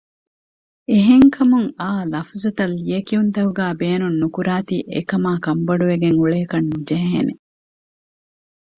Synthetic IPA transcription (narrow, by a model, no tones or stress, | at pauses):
eɦeŋkʰɐmuŋaːlɐfuzut̪ɐlːijɐkiunt̪ɐɦuɡæːbeːnunːukuɾaːt̪ḭʔḛkɐmaːkɐmbɐɖuʋeɡeŋuɭekɐnːud͡ʒɐɦɦḛnḛ